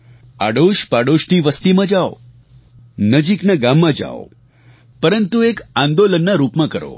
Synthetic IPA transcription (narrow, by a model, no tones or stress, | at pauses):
a̰ɽoʃpaɽoʃniʋəst̪imãd͡ʒao̰ | nəd͡ʒiknaɡamːãd͡ʒa̰o | pəɾənt̪uekãnd̪olənːaɾupmãkəɾo̰